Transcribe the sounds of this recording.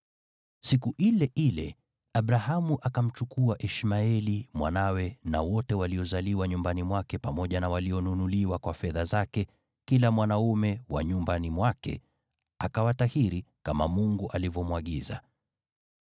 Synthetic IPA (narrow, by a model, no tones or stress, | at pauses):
sikuʔilɛʔilɛ̰ | aɓɾahamuʔakam̩t͡ʃukuaʔiʃmaɛlimwa̰nawɛna̰wɔtɛwaliɔzaliwaɲumbanimwakɛpamɔʄanawaliɔnunuliwakwafɛðazakɛ | kilamwanaumɛwa̰ɲumbanimwakɛ̰ | akawat̪ahiɾikama̰muŋɡuʔalivɔmwaɠiza̰